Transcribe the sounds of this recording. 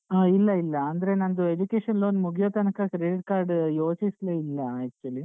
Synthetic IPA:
ɐilːɐilːɐːnd̪ɐɾe̞nɐnd̪ued͡ʒuke̞ːʂɐnloːnmuɡʱjɐt̪ɐnɐkɐkɾeɖiʈ̚kaːɾɖjoːt͡ʃisleilːɐːkt͡ʃuɐli

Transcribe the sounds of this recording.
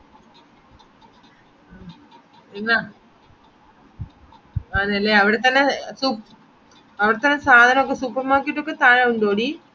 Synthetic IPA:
enːa | aːnɐlːeɐʋiɽet̪ːɐnːesup | ɐʋiɽet̪ːɐnːe̞saːd̪ʱɐnɐmokːesuːpːɐrmaːkːijʈːokːet̪aːɻauɳɖo̞ːɽi

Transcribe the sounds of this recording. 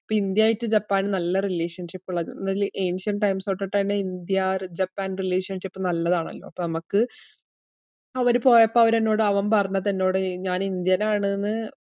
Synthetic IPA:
pːoind̪jaːjitːɨd͡ʑɐpːaːnɨnɐlːɐrileːʂɐnʂipːuɭːɐðnɐlʔe̞ːnʂɐnɖʈɐjmsoːʈːɐʈːɐneind̪jard͡ʑɐpːaːnrileːʂɐnʂipːɨnɐlːɐðaːɳɐ̰lːoːpːoːnɐmɐkːɨ | ɐʋɐɾupo̞ːjɐpːɐɐʋɐɾenːo̞ːɽɨɐʋɐmpɐrɐɲːɐt̪ɐnːo̞ːɽɨɲaːnind̪jɐnaːɳɨenːɨ

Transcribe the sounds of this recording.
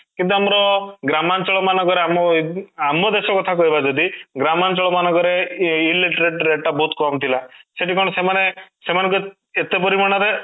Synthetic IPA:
kint̪uamɾɔɡɾamant͡ʃɔɭɔmanɔɡɔɾeamɔamɔd̪esɔkɔt̪ʰakɔɦibad͡ʒɔd̪iɡɾamant͡ʃɔɭɔmanɔɡɔɾeileʈɾeʈɾeʈːabɔɦut̪kɔmt̪ʰilaseʈikɔɽ̃ɔsemanesemanɔŋku | et̪epɔɾimɔnaɾe

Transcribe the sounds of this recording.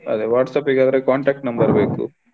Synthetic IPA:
ɐ̰d̪eʋaːʈsaːpeɡaːd̪ɐɾekaːɳʈɾaːk̚ʈnɐmbɐɾbeːkṵ

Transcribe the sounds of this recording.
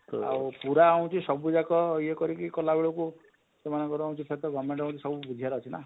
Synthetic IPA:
a̰wpuɾaaw̃t͡ʃʰisɔbud͡ʒakɔjekɔɾikikɔlabiɭɔku | semanɔŋkɔɾuãw̃t͡ʃʰipʰet̪ɔɡɔmeɳʈaũt͡ʃʰisɔbubud̪ʱijaɾɔt͡ʃʰina̰

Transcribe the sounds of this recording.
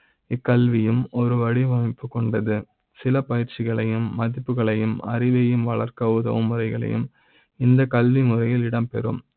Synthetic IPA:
ɪkːɐlʋɪjɯmɔɾɯʋɐɽiʋɐmɪpːɯkːɔɳɖɐðɯ | sɪlɐpɐjɪɾt͡ʃɪɣɐɭɐjɯmːɐðɪpːɯɣɐɭɐjɯmɐ̰ɾɪʋɐjɯmʋɐɭɐɾkɐʋɯðɐ̰ʋɯmːɯɾɐɪɣɐɭɐ̰jɯ̰m | ɪnd̪ɐkɐlʋinɯɾɐjɪlɪɽɐmpɛ̰ɾɯ̰m

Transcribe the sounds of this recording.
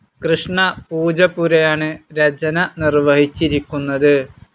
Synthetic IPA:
krɨʂɳɐpuːd͡ʑɐpuɾɐjaːɳɨɾɐd͡ʑɐnɐnirʋɐɦit͡ɕːiɾikʲːunːɐðɨ

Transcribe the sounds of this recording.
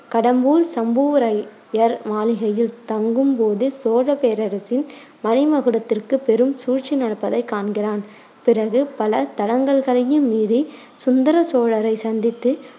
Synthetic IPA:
kɐɽɐmbuːɾsɐmbuːɾɐɪ | jɐɾmaːlɪɣɐjɪlt̪ɐŋɡɯmpoːðɯsoːɻɐpeːɾɐɾɐsɪn | mɐnɪmɐɣɯɽɐt̪ːɪrkɯpːɛɾɯmsuːrt͡ʃːɪnɐɾɐpːɐðɐɪkːaːɳɡɪraːn | pɪɾɐɣɯpɐlɐt̪ɐɽɐŋɡɐɭɣɐɭɐjɯmːiːɾi | sʊnd̪ɐɾɐsoːɻɐɾɐɪsɐnd̪ɪt̪ːɯ

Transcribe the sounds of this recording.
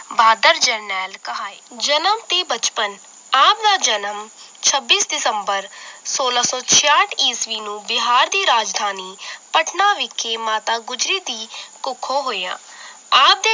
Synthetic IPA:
baːd̪əɾd͡ʒəɾnɛːlkəɦaːeːd͡ʒənəmt̪eːbət͡ʃpən | aːp̚d̪aːd͡ʒənəm | t͡ʃʰəbːiːsɖɪsəmbəɾsoːlaːsɔ̃ːt͡ʃʰɪjaːʈʰiːsʋiːnũːbɪɦaːɾd̪iːɾaːd͡ʒd̪ʱaːniːpəʈʰnaːʋɪkʰːeːmaːt̪aːɡʊd͡ʒɾiːd̪iːkʊkʰːõːɦoːjã̰ː | aːp̚d̪eː

